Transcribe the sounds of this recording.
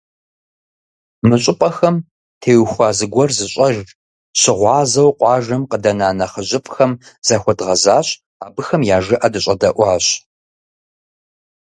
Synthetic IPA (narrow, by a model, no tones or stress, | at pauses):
mɨɕʼɪpʼɐxɐm | tʰeːwxʷɑːzɨɡʷɔrzɨɕʼɐʒ | ɕɪʁʷɑːzɐwqʷɑːʒɐmqədɐnaːnɐχəʑɪpʼxɐmz̥axʷɔdʁɐzaːɕ | aːbɨxɐmjaːʒɨʔɐdɨɕʼɐdɐʔʷɑːɕ